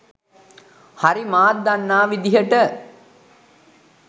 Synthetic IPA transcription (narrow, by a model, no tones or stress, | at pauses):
haɾimaːt̪̚d̪anːaːʋid̪iɦəʈə